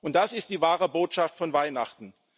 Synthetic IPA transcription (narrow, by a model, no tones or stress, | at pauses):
ʔʊnt̚d̥asɪst̚d̥iːvaːʁəboːtʃaftfɔnvaɪnaχtn̩